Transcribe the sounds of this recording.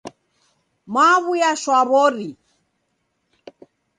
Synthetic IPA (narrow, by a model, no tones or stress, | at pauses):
maβujaʃwaβɔɾi